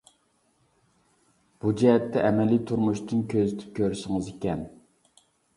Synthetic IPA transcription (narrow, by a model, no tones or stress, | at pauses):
b̥ud͡ʒɛɦɛt̪ːɛʔɛmɛlit̪ʰuɾmuʃt̪ɨnkʲʰøzyt̪ʰɪ̥p̚kʲʰøɾʃɪŋɨzekʲɛn